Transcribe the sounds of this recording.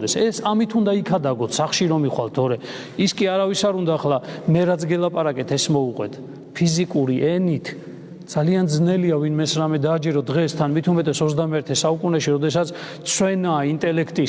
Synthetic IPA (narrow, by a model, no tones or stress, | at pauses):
d̪ɛsɛsamit̪ʰund̪aikʰad̪aɡɔt̪ʰsaχʃiɾɔmiχwalt̪ʰɔɾɛ | iskʼiaɾavisaɾund̪aːχlamɛɾat̪sʰɡɛlˠapʼaɾakʼɛt̪ʰɛsmɔuqʼwɛ̰t̪ʰ | pʰizikʼuɾiʔɛnit̪ʰ | d̪z̥aliand̪znɛliavinmɛsɾamɛd̪aːd͡ʒɛɾɔd̪ʁɛst̪ʰanmit̪ʰumɛt̪ʼɛsɔzd̪amɛɾt̪ʰɛsaukʼunɛʃiɾɔd̪ɛsat̪sʰt̪sʰwɛnaːint̪ʼɛlɛkʰt̪ʼi